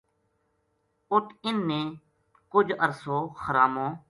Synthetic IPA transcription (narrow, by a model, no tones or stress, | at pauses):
ʊʈʰɪnːẽː | kʊd͡ʒʱəɾsoːxəɾaːmõː